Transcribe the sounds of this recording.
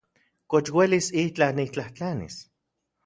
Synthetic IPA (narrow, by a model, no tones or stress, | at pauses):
kot͡ʃwelisiht͡ɬanit͡ɬaht͡ɬanḭs